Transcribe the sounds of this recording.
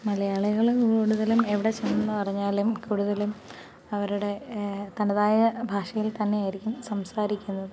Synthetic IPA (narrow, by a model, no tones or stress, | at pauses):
mɐlɐjaːɭuɣɐɭkuːɽuðɐlume̞ʋiɽe̞t͡ɕenːɐnːɨpɐrɐɲːaːlumkuːɽuðɐlum | ɐʋɐɾuɽe̞t̪ɐɳɐðaːjɐbʱaːʂɐjilt̪ɐnːe̞jaːjiɾikʲːumsɐmsaːɾikʲːunːɐðɨ